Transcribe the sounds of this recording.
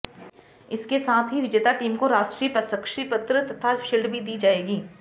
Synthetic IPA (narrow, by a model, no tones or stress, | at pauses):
ɪskesaːt̪ʰɦiʋɪd͡ʒeːt̪aʈiːmkoɾaːʃʈɾiːpɐsəkʃiːpət̪ɾət̪ɐt̪ʰaʃɪlɖbʱid̪iːd͡ʒaːeːɡiː